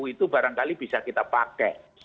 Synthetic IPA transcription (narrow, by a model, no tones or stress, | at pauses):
uit̪uba̤ɾaŋkalib̥i̤sakit̪apakɛ̰